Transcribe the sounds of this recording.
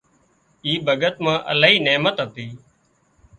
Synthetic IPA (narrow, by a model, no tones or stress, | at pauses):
iːbʱəɠət̪mãːʔə̰laːɦiːneːmət̪ɦət̪iː